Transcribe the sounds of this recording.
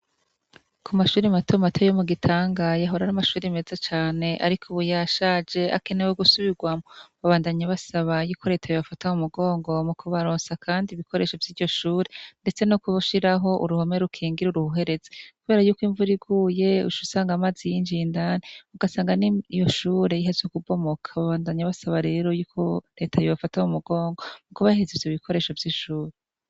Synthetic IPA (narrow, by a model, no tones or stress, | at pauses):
kʰumaʃuːɾimatʰomatʰo̞jomuɡitʰaːŋɡajaɦo̞ɾaɾamaʃuːɾime̞zat͡ʃaːne̞ʔa̰ɾikʰuβujaʃaːd͡ʒe̞ʔa̰kenewoɡusuβiɡwamoβaβaːndaɲaβasaβajikʰoɾe̞tʰaβiβafatamumuɡo̞ːŋɡo̞mukʰuβaɾoːnsakʰaːndiβikʰo̞ɾe̞ʃevjiːɾɟo̞ʃuːɾinde̞t͡se̞nokuβuʃiɾaɦo̞ʔṵɾuhome̞ɾukʰiːŋɡiɾuɾuhuɦe̞ɾe̞zekuβe̞ːɾajuːkwiɱvuɾiɡuje̞ṵʃusaːŋɡamazijiɲd͡ʒiːndaneuɡasaːŋɡaniijo̞ʃuːɾe̞jiɦezokubo̞mo̞kʰaβaβaːndaɲaβasaβaɾe̞ːɾo̞juːkʰo̞ɾe̞ːtʰajoβafatamumuɡo̞ːŋɡo̞mukuβahezeziβikʰo̞ɾe̞ːʃo̞vjiʃuːɾe